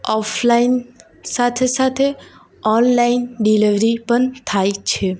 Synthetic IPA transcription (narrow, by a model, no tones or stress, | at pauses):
ɔflain | sat̪ʰesat̪ʰe | ɔnlainɖiliʋɾipəɳt̪ʰajt͡ʃʰe